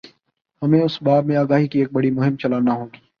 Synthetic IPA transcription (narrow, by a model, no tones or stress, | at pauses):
hɐmẽʊsbaːb̚mẽaːɡaːɦikieːk̚bɐɽimʊɦɪ̃mt͡ʃɐlaːnaɦõːɡiː